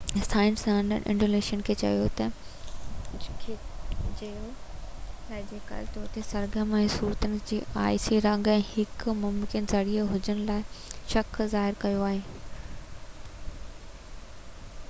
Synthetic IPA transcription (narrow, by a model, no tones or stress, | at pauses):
sʰaːɪnsãnə̰nʔɪ̰̃ɳɖoːleːʃənkʰeːt͡ɕɐ̰jot̪ɐ | kʰed͡ʑɐjo | ɐd͡ʑeːka̰ːlet̪ɔːɾt̪esɐɾɡəmɛ̃ːsuːɾt̪ənɪ̆d͡ʑḭːa̰ːɪsiɾɐ̃ŋɡɛ̃ːhɪkmʊmkɪnzɐɽiəɦʊd͡ʑəɽ̃ʊlaːɪʃɐkzaːɦɪɾkɐjoaːɦeː